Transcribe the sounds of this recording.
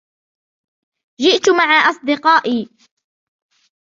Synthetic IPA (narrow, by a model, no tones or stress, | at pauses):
d͡ʒɪʔt̪ʊmaʕaːʔɑsˤd̪ɪqɑːʔiː